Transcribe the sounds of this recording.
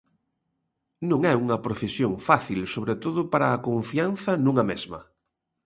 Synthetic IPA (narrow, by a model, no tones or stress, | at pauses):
nũŋɛuŋɐpɾofesjoŋfaθilsoβɾet̪oðʊpaɾaːkõɱfian̟θɐnũŋɐmezmɐ̰